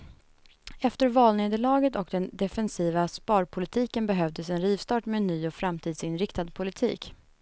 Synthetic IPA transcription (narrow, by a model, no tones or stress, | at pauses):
ɛft̪əɾvɑːlneːd̪əɭɑːɡət̪ɔk̚d̪ɛnd̪ɛfɛnsiːvaspɑːɾpʰʊlɪt̪ʰiːkənbɛɦœvd̪əsɛnɾiːvst̪ɑːʈmeːnːyːɔfɾamt̪ʰiːd̪sɪnɾɪkt̪ad̪pʰʊlɪt̪ʰḭːk